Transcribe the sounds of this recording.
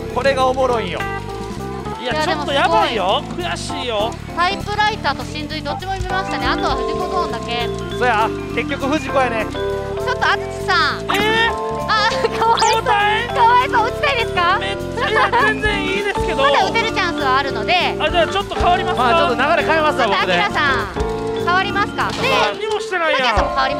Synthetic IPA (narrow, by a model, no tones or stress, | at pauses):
ko̞ɾe̞ɡaomoɾoijo̰ | ijaat͡ɕdoemot̪ːojabaijokɯ̟jaɕiːjo̞ | t̪aipɯ̟ɾait̪aːt̪o̞ɕĩnzɨɲid̪ot͡ɕːimo̞jimʲimaɕi̥t̪aneat̪o̞β̞aɸɯ̟ʑikod̪õːnd̪ake̞ | sojake̞kʲːo̞kɯ̟ɸɯ̟ʑikojane | t͡ɕo̞t̪ːo̞at͡sɨ̥t͡ɕi̥sãŋ | e | akot̪aik̪oːaet̪oɯt͡ɕi̥t̪aid̪e̞sɨ̥kame | azẽnd͡zẽɰ̃iːd̪e̞sɨ̥ke̞d̪omad̪aɯ̟t̪eɾɯ̟t͡ɕãɰ̃sɨβaːɾɯ̟no̞d̪e̞ad͡ʑaːt͡ɕo̞t̪ːokaβaɾimasmat͡ɕott̪ːonaɡaɾekaemasɨad̪iɾasã | kaβaɾʲimasɨ̥kad̪eaɲimo̞ɕi̥t̪e̞naiajaɡãmokaβaɾʲima